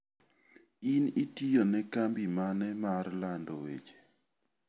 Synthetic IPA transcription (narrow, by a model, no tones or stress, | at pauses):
initijonɛkambimanɛmarlandɔwḛd͡ʒe̥